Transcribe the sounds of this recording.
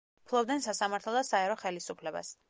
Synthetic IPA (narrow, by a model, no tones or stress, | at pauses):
pʰlˠɔbd̪ɛnsasamaɾt̪ʰlɔd̪asaɛɾɔχɛlisupʰlɛba̰s